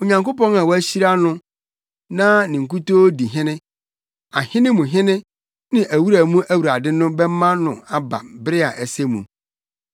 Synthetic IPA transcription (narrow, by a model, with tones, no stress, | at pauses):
o˨ɲã˨ŋko˦pɔ̃˦nã˨wɔ˦æ˦ɕi˦ɾa˦nʊ̃˦ | nã˦nɪ̃˨ŋ̩˨ku˦toː˦di˨ɦɪ̃˦nɪ̃˦ | a˨hɪ̃˦nɪ̃˦mʊ̃˨ɦɪ̃˦nɪ̃˦ | nɪ̃˦ʔæ˨wu˦ɾa˨mũ˦ʔæ˦wu˨ɾa˨dɪ˦nʊ̃˦bɛ˦mã˦nʊ̃˨a˨ba̰˨bɾɪ˦a˨ʔɛ˨se˦mṵ̃˨